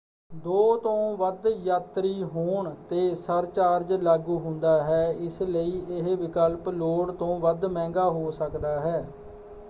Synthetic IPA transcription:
d̪oːt̪õːʋəd̪jaːt̪ɾiːɦoːɳt̪eːsəɾt͡ʃaːɾd͡ʒlaːɡuːɦʊ̃nd̪aːɦɛːɪsləiːʔɪɦʋɪkəlploːɽt̪õːʋəd̪mɛ̃ːŋɡaːɦoːsəkd̪aːɦɛː

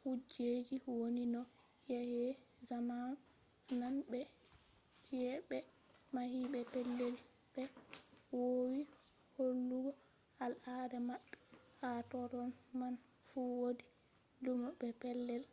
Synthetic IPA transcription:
hud͡ʒed͡ʒiwoninɔ | jɛhɛ | zaman | nanbɛ | t͡ʃɛbɛ | mahiɓɛpɛlːɛl | b̥ɛ | wowi | holːuɡɔ | alʔadɛmaɓːɛ̥ | hatɔɾɔn | man | fuwodi | lumbɛpɛlːɛl

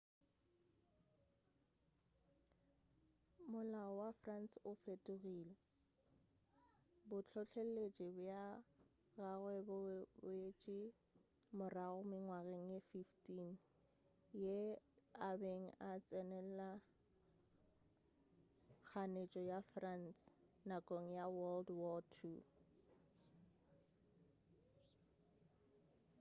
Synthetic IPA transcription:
mʊlaɔwafransʊfetʼʊɣilɛ | bʊt͡ɬʰɔɬʰel̩let͡ʃʼɪbʊja | ɣaɣwɛbbʊet͡ʃʼɪ | mʊraɣʊmɪŋwaɣeŋ̩jefiftʰʼin | jeabeŋ̩ʔat͡sʼɛnɛl̩la | k͡xʰanet͡ʃʼɔjafransnakʼoŋ̩jawɔldwɔtʰu

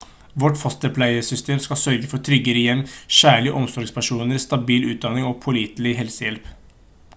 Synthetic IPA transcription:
ʋɔʈfɔst̪əpʰlæɪəsʏst̪ʰeːmskɑsœɾɡəfɔʈʰɾʏɡəɾəjɛmmɕæːɭɪəʔɔmsɔɾɡspʰæʂuːnəɾst̪ɑbiːlʉːt̪̚d̪ɑnɪŋɔpʰʊliːt̪lɪɦɛlsəjɛlp

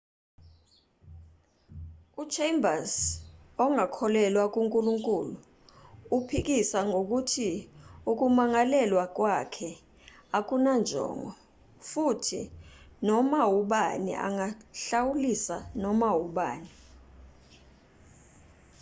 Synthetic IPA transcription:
ut͡ʃʰembʱasɔŋʱakʰɔlɛlwak̬ʼuŋkʼuluŋkʼuːluː | pʰik̬isaŋʱok̬utʰiuk̬umaŋalɛlwak̬wakʰɛ | ak̬unand͡ʒʱɔ̰ŋʱɔ̰ | futʰḭnɔmawuɓa̰nḭʔa̰ŋaɬawulisanɔmawuɓaːni

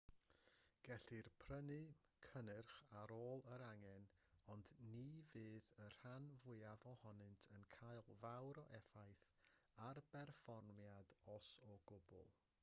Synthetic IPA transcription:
ɡ̥ɛɬirpʰrənɨkʰənɨrχaɾoːlˠəɾaŋɛn | ɔndnivɨːðər̥anvʊɨavɔhɔnɨntʰənkʰaɨlˠvawɾɔʔɛfajθarb̥ɛrfɔrnmjadɔsɔɡʊbʊ̰lˠ

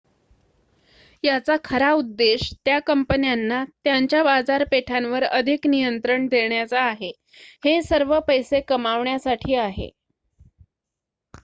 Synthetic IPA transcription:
jat͡sakʰəɾaud̪ːeɕt̪jakəmpənjanːat̪jaɲt͡ɕjabad͡zaɾpeʈʰãnʋəɾəd̪ʱiknijənt̪ɾəɳd̪ʱeɳjat͡saːɦe | hesəɾʋəpəjsekəmaʋɳjasaʈʰiːaɦḛ

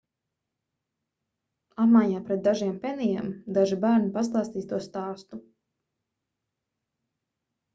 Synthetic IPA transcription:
apmajɲaːpɾɛt̪̚d̪aʒiɛmpɛnijɛmd̪aʒibæːɾnipas̬t̪ˠaːst̪iːst̪uɔst̪aːst̪u

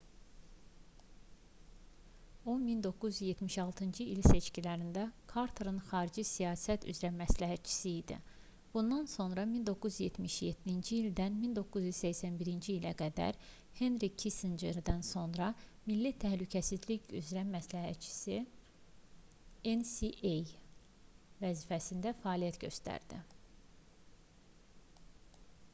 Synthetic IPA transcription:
onmind̪o̞kːuzyzje̞t̪ʰmiʃɑlˠt̪ʰɯnd͡ʒiilse̞t͡ʃcilæɾind̪ækʰɑɾt̪ʰoɾɯnxɑːɾid͡ʒisijɑːsæt̪y̰zɾæmæslæɦæt̪̚t͡ʃʰi̥siːd̪ḭ | b̥und̪ɑnso̞nɾɑmind̪o̞kʰːuzyje̞t̪miʃjet̪d̪ind͡ʒiːld̪ænmind̪o̞kːuzjyz̥sæçsænbiɾind͡ʒiːlæɡæd̪æ̰ɾ | henɾikʰist̪ind͡ʒeɾd̪ænso̞nɾɑmilːit̪ʰæhlycʰæsizliɟyzɾæmæslæɦæt̪̚t͡ʃʰi̥si | ensiʔej | væzifæsind̪æfæɑːlijæt̪ɟø̞̰st̪æ̰ɾd̪̥ḭ

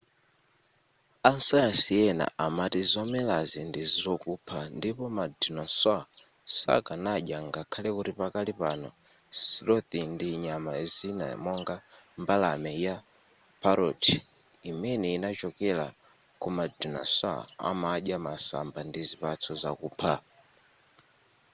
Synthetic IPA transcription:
ansajasiɛna̰ʔamatizɔmɛlazindiziɔkupʰandipɔmadinɔsa | sa̰kanaʄjaŋɡakʰalɛkuɾipakalipanɔ | siɾɔt̪indiɲamazina̰mɔŋɡa | mbalamɛja | pʰaɾɔtʰi̥ | imɛnɛinat͡ʃɔkɛla̰ | kumadina̰swa̰a̰maʄjamasa̰mbandizipat͡sʰɔzakuːpʰa

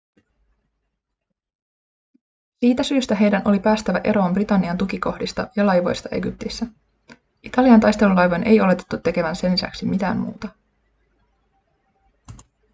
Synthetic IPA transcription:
siːt̪æsyːst̪æɦe̞jdænʔo̞lipæːst̪æʋæʔe̞ɾo̞ːmbrit̪ɑnːiɑnt̪ukiko̞hdist̪ɑjɑlɑjʋo̞̰jst̪ɑʔeɡyp̚t̪isːæ | ʔit̪ɑliɑnt̪ɑjst̪e̞lulɑjʋonʔe̞̰jo̞le̞t̪e̞̥t̪ːut̪ːe̞ke̞ʋænse̞nlːisæ̰ksimit̪æ̰ːmmṵːt̪ɑ

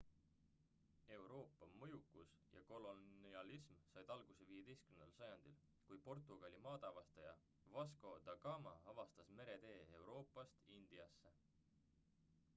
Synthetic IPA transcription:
e̞wɾo̞ːpːˑɑmɤjukːˑusjɑ̰ko̞lo̞niɑlismsɑjd̪̥ɑlɡ̥use̞viːje̞d̪e̞jskymenɑlsɑjɑnd̪̥il | kujpo̞rt̪ːˑuɡ̥ɑlʲimɑːt̪ɑvɑst̪ɑjɑ | vɑsko̞d̪̥ɑɡ̥ɑmɑɑvɑst̪ɑsme̞ɾe̞d̪e̞ːewɾo̞ːpːˑɑst̪ind̪̥iɑsːe̞

